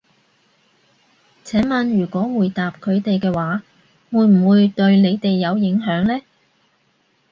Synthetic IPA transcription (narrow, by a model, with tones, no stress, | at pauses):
t͡sʰɛː˨˥mɐ˨˧nɥyː˨˩kʷɔː˨˥wuː˨˩jt̪aː˨p̚kʰɵ˨˧ɥt̪e˨jkɛː˧waː˨˥ | wuː˨˧jm̩˨˩wuː˨˧jt̪ɵ˧ɥne˨˧jt̪e˨jːɐ˨˧wjɪ˨˥ŋɦœː˨˥ŋlɛː˥